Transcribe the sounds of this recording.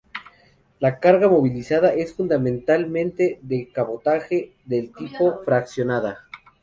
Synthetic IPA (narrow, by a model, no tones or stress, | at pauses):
lakaɾɣamo̞βilisaðaʔe̞sfund̪amẽnt̪almẽnt̪e̞ðekaβo̞t̪axe̞ | ðelt̪ipo̞fɾaksjo̞naða